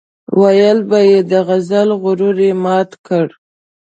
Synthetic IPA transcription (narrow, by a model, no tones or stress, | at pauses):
wajəlbajed̪əɣazalɣʊɾuɾemɑt̪kəɽ